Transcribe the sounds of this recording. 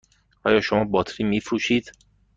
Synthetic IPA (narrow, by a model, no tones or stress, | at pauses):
ʔɒ̰ːjɒːʃomɒːbɒːt̪ʰɾiːmiːfɾuːʃiːd̪̥